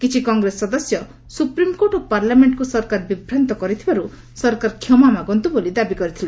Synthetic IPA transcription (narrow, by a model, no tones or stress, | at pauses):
kit͡ʃʰikɔŋɡɾesːɔd̪ɔsjɔ | supɾimkoʈopaɾlameɳʈkusɔɾkaɾbibʱɾant̪ɔkɔɾit̪ʰibaɾu | sɔɾkaɾkʰjɔmamaɡɔnt̪ubolid̪abikɔɾit̪ʰile